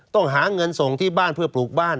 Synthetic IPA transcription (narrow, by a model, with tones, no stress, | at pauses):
t̪ɔ˥˩ŋɦaː˩˦ŋɤ˧nso˨˩ŋt̪ʰiː˥˩baː˥˩npʰɯ˥˩ɐpluː˨˩k̚baː˥˩n